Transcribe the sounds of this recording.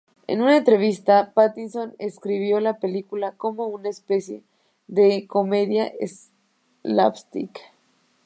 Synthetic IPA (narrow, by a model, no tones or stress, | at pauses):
ḛnũnaent̪ɾe̞β̞ist̪apat̪inso̞neskɾiβ̞jo̞lape̞likulako̞mo̞unaespe̞sje̞̰ | ðe̞ko̞me̞ðjaʔḛs | la̰pst̪ḭk